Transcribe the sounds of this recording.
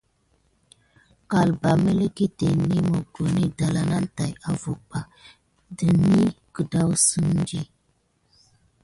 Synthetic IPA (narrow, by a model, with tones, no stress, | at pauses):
ka˨lba˨me˦le˦ki˦te˨ni˦mo˦ɡo˨ni˦da˨la˨na˦n˦ta˨ja˨vu˨ba˨ | də˨ni˦kə˨da˦wsə˦n˦d͡ʒi˦